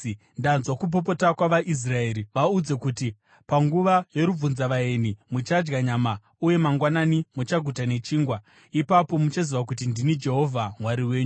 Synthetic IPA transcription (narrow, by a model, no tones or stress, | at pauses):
ndanzwakup̬o̞p̬o̞takwaʋaʔis̬rae̞ːɾiʋaud͡ze̞kuti | paŋɡuʋaje̞ɾub͡vunzaʋaenimut͡ʃad͡ʒɡaɲama | uje̞maŋɡwananimut͡ʃaɡʱutane̞t͡ʃiːŋɡwa | ipapo̞mut͡ʃaziʋak̬utindinid͡ʒe̞ɦo̞vʱaŋwaɾiwe̞ːɲu